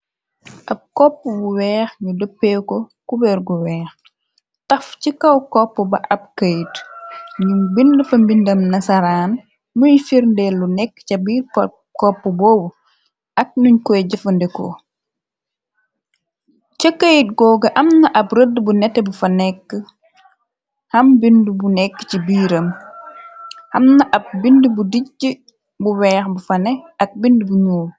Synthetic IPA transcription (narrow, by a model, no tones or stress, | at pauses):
ʔɐb̚kɔpːəbuwɛːxɲudopːɛːkɔkubɛɾɡuwɛːx | tɐfcikɐwkɔpːəbɐʔɐb̚kəjtɲubindəfɐmbindɐmnɐsɐɾaːn | muɲfiɾndɛlːunɛkːcɐbiːrpɐ | kɔpːəbɔːbu | ʔɐk̚nuɲkɔjɟɐfɐndɛkɔ̰ | t͡ʃəkːəjit̚ɡɔːɡɐʔɐmnɐʔɐpɾədbunɛtːɛbufɐnɛkːə | hɐmbindubunɛkːcibiːɾɐm | hɐmnɐʔɐb̚bindubudicːə | buwɛːxbufɐnɛɐk̚bindubuɲuː